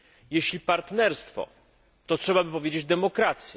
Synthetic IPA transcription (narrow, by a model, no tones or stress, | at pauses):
jeɕlʲipaɾt̪nɛɾst̪fɔ̰ | t̪ɔtʂɛbabɘpɔvʲjed͡ʑed͡ʑd̪ɛmɔkɾat̪sʲjɛ